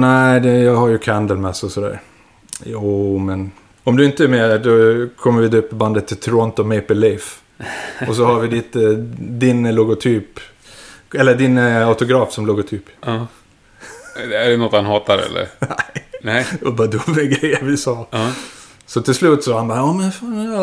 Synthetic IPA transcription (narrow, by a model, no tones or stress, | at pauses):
næɪd̪ɛjɑːɡhaɾjɵkʰand̪əlmɛsːɔsɔd̪æ̰ːɾ | juːmɛn | ɔmd̪ɵɪnt̪əɛɾmeːɾdɔkʰɔmːəɾvɪd̪ɵpːəband̪ət̪ʰːɪlt̪ʰɔɾɔnt̪ɔmɛɪpəlif | ɔs̬ɔhaɾvɪd̪ɪːt̪əd̪ɪnlʊɡʊt̪ʰyːp | ɛlːəɖɪnaʊt̪ʊɡɾɑːfsɔmlʊɡʊt̪ʰyːp | æɖɛnɔt̪hanhɑːt̪aɾɛ̰lːə̰ɾnæɪd̪ɑbɑːɾd̪ɵmɛɡɾɛjəɾvɪsɑː | sɔt̪ʰɪlslʉ̟ːt̪sɔhanbɑːɑːmɛnfɑ